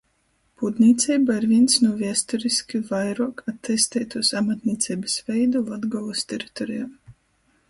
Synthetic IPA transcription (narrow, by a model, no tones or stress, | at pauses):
pud̪nʲiːt̪sʲɛjbaiɾvʲiɛnsnuɔvʲiɛst̪ɔɾiskʲivajɾuɔkat̪ːɛst̪ɛːt̪uɔsamat̪niːt̪sʲɛjbɨsvʲɛjd̪ulad̪ɡɔlˠɨst̪ʲɛɾi̥t̪ɔɾijam